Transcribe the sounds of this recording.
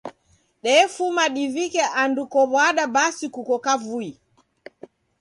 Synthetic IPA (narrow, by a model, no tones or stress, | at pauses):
ɗɛfumaɗivikɛʔandukɔβwaɗaɓasikukɔkavui